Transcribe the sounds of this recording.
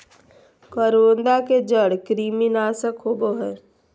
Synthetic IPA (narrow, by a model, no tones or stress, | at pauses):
kəɾoːnd̪aked͡ʒəɽkɾiːminaːsəkɦoːboɦɛː